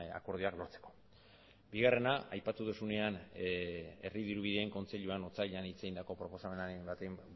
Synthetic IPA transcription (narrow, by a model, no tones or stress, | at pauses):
a̰ko̞ɾð̞uaklo̞ɾt͡se̞̥ko̞̥ | biɣare̞naajpat̪uðusune̞an | e̞riðiɾuβ̞iðe̞ːŋko̞nt͡se̞ʎuano̞t͡saʎeanit͡se̞ɣind̪ako̞pɾopo̞same̞naebat̪em